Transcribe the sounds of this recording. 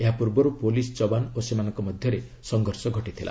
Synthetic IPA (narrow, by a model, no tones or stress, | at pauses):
eɦapuɾbɔɾupolist͡ʃɔbanosemanɔŋkɔmɔd̪ʱjɔɾe | sɔŋɡʱɔɾsɔɡʱɔʈit̪ʰilʔa̰